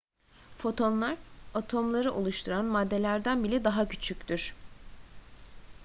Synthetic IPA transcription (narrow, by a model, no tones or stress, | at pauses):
fo̞t̪ʰo̞nlˠaɾat̪ʰo̞mlˠaɾɯʔolˠuʃt̪ʰuɾanmad̪ːe̞lʲæɾd̪ænbilʲɛd̪aɦacʰy̥t͡ʃʰycʲt̪yɾ̥